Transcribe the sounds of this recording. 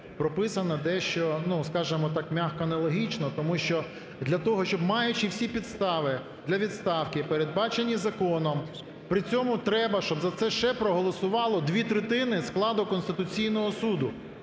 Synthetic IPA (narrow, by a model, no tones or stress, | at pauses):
pɾɔpɪsɐnɐd̪ɛʃt͡ʃɔnuskɑʒɪmɔt̪ɑkmʲaxkɔɐnɐlˠɔɦʲit͡ʃnɔt̪ɔmuʃt͡ʃɔ | d̪lʲɐt̪ɔɦɔʃt͡ʃɔbmɑjʊt͡ʃɪwsʲipʲid̪st̪ɑʋɪ | d̪lʲɐʋʲid̪st̪ɑwkɪpeɾed̪̚bɑt͡ʃenʲːizɐkɔnɔm | pɾɪt͡sʲɔmʊt̪ɾɛbɐʃt͡ʃɔbzɐt̪sɛʃɛpɾɔɦɔlˠɔsʊʋɑlˠɔd̪ʲʋʲit̪ɾɪt̪ɪnɪsklˠɑd̪ʊkɔnst̪ɪt̪ʊt͡sʲijnɔɦɔsud̪ʊ